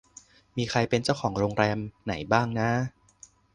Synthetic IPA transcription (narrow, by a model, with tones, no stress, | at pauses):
miː˧xʰɾa˧jpe˧nt͡ɕa˥˩wkʰɔː˩˦ŋɾoː˧ŋɾɛː˧mna̰˩˦jbaː˥˩ŋna˦˥